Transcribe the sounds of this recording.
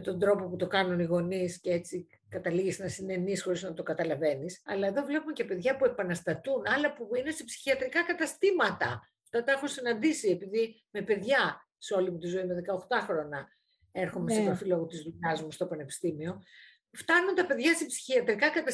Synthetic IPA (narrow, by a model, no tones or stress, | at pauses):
met̪o̞nd̪ɾo̞po̞put̪o̞kɐnuniɣo̞niscee̞t͡si | kɐt̪ɐliʝesnɐsine̞nisxo̞ɾiznɐt̪o̞kɐt̪ɐlɐve̞nisɐ̰lɐe̞ðo̞vle̞pume̞ce̞pe̞ðʝɐpue̞pɐnɐst̪ɐt̪unɐlɐpuine̞sepsi̥çiɐt̪ɾikɐkɐt̪ɐst̪imɐt̪ɐ̰ | ft̪ɐt̪ɐexunsinɐnd̪isie̞piði | me̞pe̞ðʝɐ | seo̞limut̪izo̞ime̞ðe̞kɐoxt̪ɐxɾo̞nɐ | e̞ɾxo̞mesepɐfiloɣot̪izðuʎɐzmust̪o̞pɐne̞pi̥st̪imio̞ | ft̪ɐnunt̪ɐpe̞ðʝɐsepsi̥çiɐt̪ɾikɐkɐt̪ɐ